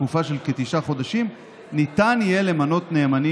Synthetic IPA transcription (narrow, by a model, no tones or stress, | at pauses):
mufaʃe̞lket̪iʃaχo̞daʃim | nitanije̞le̞mano̞tne̞ːmani